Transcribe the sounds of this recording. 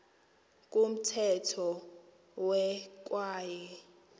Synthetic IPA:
k̬ʼum̩tʰɛtʰɔ | wɛk̬ʼwaːjɛ

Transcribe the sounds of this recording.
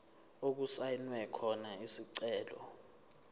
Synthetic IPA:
ok̬usajnwɛkʰɔnaisiǀɛːlɔ̰

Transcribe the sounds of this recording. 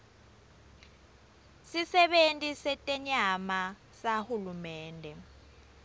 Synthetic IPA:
sisɛɓentʼisɛtʼɛɲama | sahulumɛːndʱɛ

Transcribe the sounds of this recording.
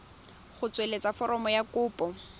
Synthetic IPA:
χʊt͡swelet͡safɔɾɔmɔjakʊːpʼɔ

